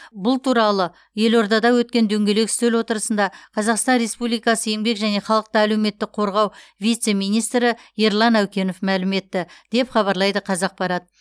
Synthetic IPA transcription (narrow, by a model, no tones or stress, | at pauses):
bʊlˠt̪ʰuɾɑlˠə | je̞lo̞ɾd̪ɑd̪ɑwɵt̪̚kʲe̞nd̪ɵŋɡʲe̞le̞ksɵlwo̞t̪əɾəsənd̪ɑqʰɑzɑqst̪ɑnɾe̞spublijkɑsəje̞ŋbe̞kʒæne̞χɑlˠəq̚t̪əæle̞wme̞t̪ːɪk̚qʰoɾʁɑwvijt̪se̞mijnijst̪ɾɪeɾlˠɑnæwkʲe̞nofmælɪme̞t̪ːɪd̪̥e̞pχɑβɑɾlˠɑjd̪əqʰɑzɑq̚pɑɾɑd̪ə